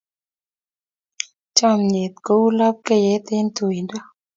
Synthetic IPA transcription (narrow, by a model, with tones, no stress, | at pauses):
t͡ʃa˦˨mɲe˨t̪̚ko˨˦u˦la˦p̚ke˦˨jɛ˨˦t̪ɪ˦nt̪u˨jndɔ˦